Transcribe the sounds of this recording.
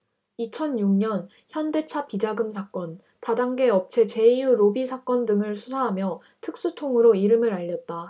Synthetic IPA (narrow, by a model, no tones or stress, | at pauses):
it͡ɕʰʌnjuŋɲʌn | çjʌnde̞t͡ɕʰapid͡ʑaɡɯmsʰak͈ʌn | tadaŋɡe̞ʌp̚t͡ɕʰe̞t͡ɕe̞ijuɾobisʰak͈ʌndɯŋɯɭsʰusʰaɦamjʌ | tʰɯk̚s͈utʰoŋɯɾoiɾɯmɯɾaʎːʌt̚t͈a